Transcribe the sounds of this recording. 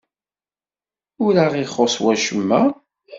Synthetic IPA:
ʊɾaʁiχoswæʃəmːæ

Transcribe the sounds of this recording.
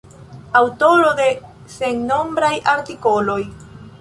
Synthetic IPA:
awto̞ɾode̞ | se̞ŋno̞mbɾajʔaɾtiko̞lo̞j

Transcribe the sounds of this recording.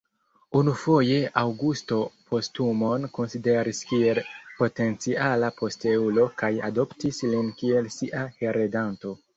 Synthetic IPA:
unufo̞je̞ʔawɡusto̞pʰo̞stumo̞nko̞nside̞ɾiskie̞lpo̞te̞nt͡sialapo̞steulo̞kaja̰do̞ptislinkie̞lsiʔaheɾedanto̞

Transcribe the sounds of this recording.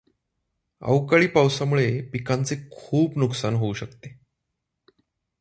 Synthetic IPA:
a̰wkaɭiːpawsamuɭepikant͡sekʰuːpnuksanɦouɕəkt̪e

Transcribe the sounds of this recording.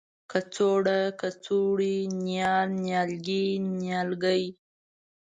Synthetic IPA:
kat͡soɽakat͡suɽinjɑɾnjɑlɡinjɑlɡəj

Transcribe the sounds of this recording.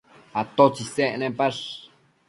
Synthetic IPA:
at̪ot͡ʃiseʔnẽmpaʂ

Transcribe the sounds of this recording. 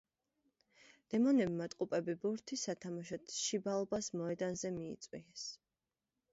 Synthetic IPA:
d̪̥ɛmɔnɛbmat̪ʼqʼupʼɛbibuɾt̪ʰisat̪ʰamaʃɔt̪ʃibalˠbasmɔɛd̪anzɛmḭːt̪sʼwḭɛs

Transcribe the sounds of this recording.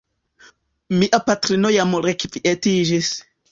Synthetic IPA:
miʔapatɾinojamɾekviʔetid͡ʒis

